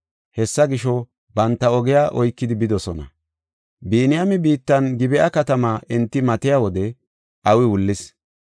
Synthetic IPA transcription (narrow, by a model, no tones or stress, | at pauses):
hɛsːɐɡɪʃɔ | bɐnt̪ːɐɔɡɛjaːʔɔjkːɪd̪ɪbɪd̪ɔsɔnɐ̰ | biːnɪjamɪbiːt̪ːɐnɡɪbɛʔɐkɐt̪ɐmaːʔɪnt̪ːɪmɐt̪ɪjawɔd̪ɛ | ʔɐwɪwʊlːɪs